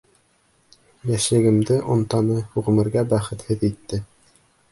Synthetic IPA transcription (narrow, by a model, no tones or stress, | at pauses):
jæʃɘ̆ɡɘ̆md̪ɘʔŏnt̪ɑnɤhuʁɘ̆mɘ̆ɾɡæbæχɘt̪hɘðit̪ːɘ